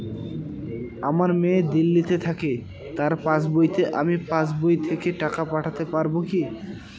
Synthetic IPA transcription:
amaɾmed̪ilːit̪et̪ʰake | t̪aɾpãt͡ɕbojt̪eʔamipãsbojt̪ʰekeʈakapaʈʰat̪epaɾboki

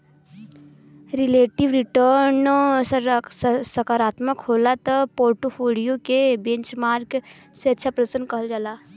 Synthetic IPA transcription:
ɾɪleːʈiʋɾɪʈəɾn | səkaːɾaːt̪məkɦoːlat̪əpoːɾʈopʰoːlijokebẽnt͡ʃmaːɾɡ | seɐtːʃʰapɾɐəsənkɐɦəld͡ʒalaː

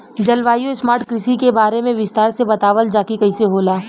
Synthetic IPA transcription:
d͡ʒɐlʋaːjõɪsmaːɾʈkɾɪsikebaːɾemẽʋɪst̪aːɾsebɐt̪aːʋəld͡ʒaːkikɐiseɦoːlaː

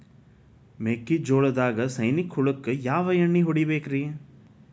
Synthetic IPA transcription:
meːkːid͡ʒoːɭɐd̪aːɡɐsɐjnikhuɭɐkːɨjaːʋɐjɐɳːiɦoɽibeːkɾije

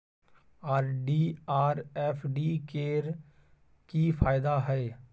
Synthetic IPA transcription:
aːɾɖiːaːɾɛpʰɖiːkeːɾ | kifʰaːɪd̪aɦɛː

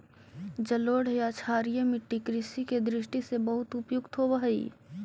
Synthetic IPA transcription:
d͡ʒɐloːɽjat͡ʃʰaːɾjəmɪʈːikɾɪsiked̪ɾɪʃʈisebɐɦʊt̪ʊpjʊkt̪ɦoʋəɦəḭ

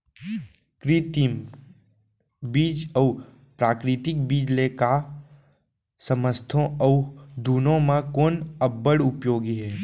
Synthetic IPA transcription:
kɾit̪i | biːd͡ʒəː | pɾaːkɾɪt̪ɪk̚biːd͡ʒleka | səməst̪ʰõɐʊd̪uːnõmãkoːnəbːəɽʊpjoːɡiɦɛː

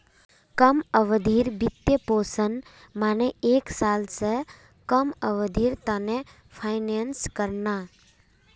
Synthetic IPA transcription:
kəməʋəd̪ʱiːɾbit̪ːjəpoːsən | maːneeːksaːlse | kəməʋəd̪ʱiːɾt̪ane | pʰaɪnenskəɾna

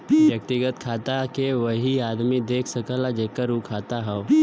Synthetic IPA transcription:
jɐk̚t̪ɪɡət̪̚kʰaːt̪akeʋəɦiaːd̪mid̪eːkʰsəkəlad͡ʒeːkəɾukʰaːt̪aɦɛo

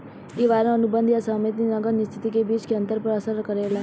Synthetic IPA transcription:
iːʋaːɾẽənubə̃nd̪ijasaːmet̪inəɡənɪst̪ʰɪt̪ikebiːt͡ʃkeə̃nt̪əɾpəɾəsəɾkəɾeːlaː

